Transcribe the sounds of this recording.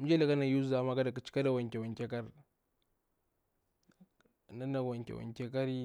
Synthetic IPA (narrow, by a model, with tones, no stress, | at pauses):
mu˦d͡ʒe˦la˦˨ka˦na˨ju˦za˨˦ma˦ɡa˦da˨ka˨t͡ʃi̥˦ka˦da˨wa˨ŋkʲe˨wa˨ŋkʲe˦ka˦ɾ | na˦na˨wa˨ŋkʲḛ˨wa̰˨ŋkʲe˦ka˦ɾi˦